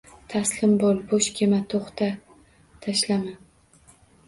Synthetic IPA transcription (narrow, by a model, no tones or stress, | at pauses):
t̪ʰaslɪmbolˠboʃkʲʰemat̪ʰoχt̪ʰa | t̪ʰaʃlaman